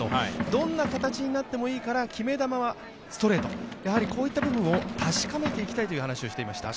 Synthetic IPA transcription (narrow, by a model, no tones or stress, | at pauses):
o̰d̪õ̞nːakat̪at͡ɕiɲ̟inat̪ːe̞mo̞iːkaɾakʲime̞d̪amaβa | sɨ̥t̪o̞ɾe̞ːt̪o̞jahaɾʲiko̞ːit̪ːabɯ̟bɯ̟̃ɰ̃o̞t̪aɕi̥kame̞t̪e̞ikʲi̥t̪ait̪o̞jɯ̟hanaɕio̞ɕi̥t̪eimaɕi̥t̪a̰